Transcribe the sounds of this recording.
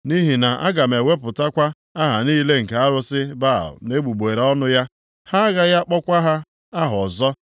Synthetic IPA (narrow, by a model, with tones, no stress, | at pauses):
ni˦ɦi˨na˨ʔa̰˦ɡa˨m˨e˨we˦pʊ˨ta˦kʷa˦ | a˦ɦa˨niː˦le˦ŋ̩˨ka˦ɾʊ˦sɪ˦ba̰˦˨ʊ̰˨ne˦ɡ͡bu˨ɡ͡be˨ɾɔ˦nʊ˦ja˦ | ha˦ɣa˦ja˦k͡pɔ˦kʷa˦ɦa˦ | a˦ɦɔ˨zɔ˦